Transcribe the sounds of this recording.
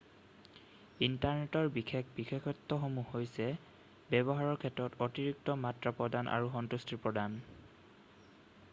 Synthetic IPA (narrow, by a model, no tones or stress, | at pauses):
intaɹnɛtɔɹbixʰek̚ʰbixʰekʰɔtːɔxomuhojsɛ | bɛbɔɦaɹɔɹkʰɛtɹɔtotiɹik̚tɔmatɹapɹɔdanʔa̰ɹuxɔntustipɹɔdan